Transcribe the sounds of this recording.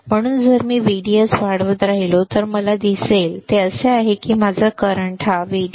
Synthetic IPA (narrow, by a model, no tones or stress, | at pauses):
m̤əɽ̃uːnd͡zəɾmiːʋiɽiəsʋaɽʋət̪ɾaɦilot̪əɾməlad̪iselt̪eəseaɦekiːmad͡zʱakəɾəɳʈɦaʋi